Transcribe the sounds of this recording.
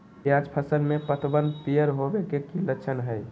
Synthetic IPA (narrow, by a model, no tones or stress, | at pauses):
jad͡ʒpʰəsənmepət̪ʰbənd̪p̪ijəɾɦobekekilətːt͡ʃʰənɦəj